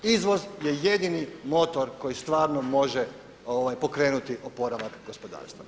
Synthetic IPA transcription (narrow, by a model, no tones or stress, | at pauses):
izʋo̞zje̞jed̪inimo̞t̪o̞ɾko̞jist̪ʋaːɾnomo̞ʒe | oʋajpo̞kɾe̞ːnut̪iʔopo̞ɾaʋakɡo̞spo̞d̪a̰ːɾst̪ʋa̰